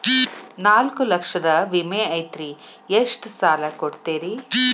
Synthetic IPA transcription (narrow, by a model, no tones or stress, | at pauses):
naːlkulɐkʂɐd̪ɐʋimeːɐjt̪ɾi | eʂʈsaːlɐkoɽt̪eːɾi